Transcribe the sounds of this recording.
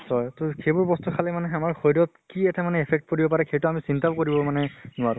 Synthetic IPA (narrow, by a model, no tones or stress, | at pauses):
sɔjtɔkʰejbʊɹbɔstukʰalɛmanɛamaɹxojdɔt̚kiɛtʰɛmanɛepʰɛk̚tkoɹibɔpaɹɛkʰejtuamisintabkoɹibɔmanɛnʊwaɹʊ̃